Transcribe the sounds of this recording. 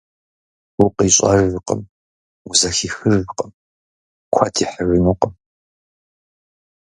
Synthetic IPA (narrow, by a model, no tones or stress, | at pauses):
wʊqʼiɕʼɐrɨqə̰m | wʊzɐxiːxɨrqʼəm | kʷʰɐtʰiħərɨnuqʼəm